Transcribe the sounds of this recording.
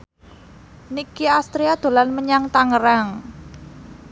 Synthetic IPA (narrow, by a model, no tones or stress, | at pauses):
nikiast̪ɾiad̪̥o̤lanməɲaŋt̪aŋəɾaŋ